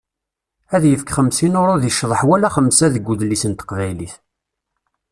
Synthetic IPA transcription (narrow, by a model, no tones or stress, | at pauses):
æðjəfkχəmsinʊɾˤʊðiəʃːðˤəħwælæχəmsæðəɡʷːuðlːisənt̪ə̥qvæjliθ